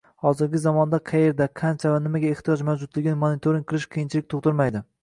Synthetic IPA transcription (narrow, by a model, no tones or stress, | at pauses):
hɒzɪɾɡʲɪzamɒnd̪aqʰɑje̞ɾd̪aqʰant͡ʃʰavanɪmaɡʲae̞ht̪ʰijɒd͡ʒmawd͡ʒʊd̪lɪɡʲɪnɪmonɪt̪ʰoɾiŋʲqʰɨlˠɪʃqʰijɪnt͡ʃʰilɪk̚ʲt̪ʰoχt̪ʊɾmajd̪ɪ